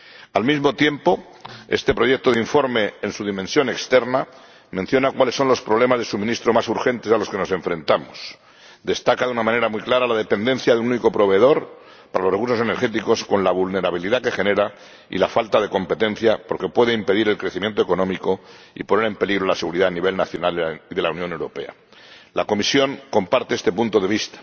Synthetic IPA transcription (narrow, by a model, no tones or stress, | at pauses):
almizmo̞t̪je̞mpo̞ | est̪e̞pɾo̞ʝe̞k̚t̪oðiɱfo̞ɾme̞ensuð̞imẽ̞nsjo̞ne̞kst̪e̞ɾna | mẽ̞nθjo̞nakwale̞sːo̞nlo̞spɾoβle̞mazðesumĩnist̪ɾo̞masuɾxe̞nt̪esalo̞ske̞no̞se̞ɱfɾẽ̞nt̪amos | d̪e̞st̪akaðunamãne̞ɾamuijklaɾalaðe̞pe̞nd̪e̞nθjaðunũniko̞pɾo̞β̞e̞ðo̞ɾ | paɾalorekuɾs̬o̞se̞ne̞ɾxe̞t̪iko̞sko̞nlaβ̞ulne̞ɾaβiliðake̞xe̞ne̞ɾa | ḭlafalt̪að̞e̞ko̞mpe̞t̪e̞nθjapo̞ɾke̞pwe̞ðeimpe̞ðiɾe̞lkɾeθimje̞nt̪oeko̞nõ̞miko̞ | ḭpo̞ne̞ɾe̞mpe̞liɣɾo̞lase̞ɣuɾiðaːniβe̞lnaθjo̞naliðe̞lauwnjone̞wɾope̞̰a̰ | lako̞misjo̞ŋko̞mpaɾt̪eest̪e̞punt̪o̞ðe̞βist̪ḁ